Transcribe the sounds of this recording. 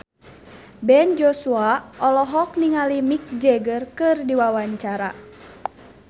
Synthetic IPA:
bɛnd͡ʒɔsuaʔɔlɔɦɔk̚niŋalimik̚d͡ʒɛɡərkɨrdiwawaɲt͡ʃaɾa̰

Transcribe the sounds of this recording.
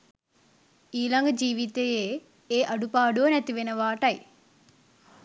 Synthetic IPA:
iːlɐŋɡɐd͡ʒiːʋit̪ejeː | eːʔɐɽupaːɽoːnɐt̪iʋenɐʋaːʈɐj

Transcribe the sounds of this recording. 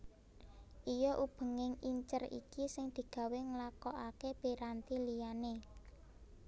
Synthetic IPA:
ʔijɔʔub̥ə̤ŋɪŋiɲt͡ʃərḭkisɪŋd̪̥i̤ɡ̥ä̤weŋlakɔʔakeb̥eɾant̪ilijane

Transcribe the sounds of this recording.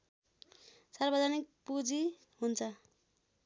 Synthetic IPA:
sarbʌd͡zʱanik̚pud͡zi | ɦunt͡sʰʌ

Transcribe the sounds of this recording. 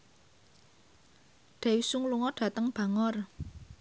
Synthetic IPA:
ɖ̥a̤wisuŋluŋɔɖ̥ä̤t̪əŋb̥a̤ŋɔr

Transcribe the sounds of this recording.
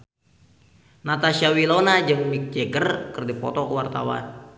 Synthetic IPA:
nat̪aʃawilonad͡ʒɨŋmik̚d͡ʒɛɡərkərdipɔ̰t̪ɔkəwart̪a̰wa̰n

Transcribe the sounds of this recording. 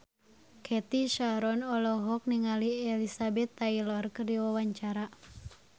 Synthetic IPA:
kʰɛt̪iʃaɾɔnɔlɔɦɔk̚niŋaliɛlisabɛt̪ːailɔrkɨrdiwawaɲt͡ʃaɾa

